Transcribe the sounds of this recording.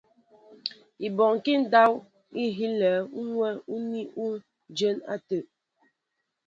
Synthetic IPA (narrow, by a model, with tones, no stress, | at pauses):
i˨bɔ˨ŋ˨ki˦n̩˦da˦w | i˦ɦi˦lɛː˨˦u˦ŋwɛ˦u˦ni˦u˦ | d͡ʒə˦na̰˦tə˨ʔ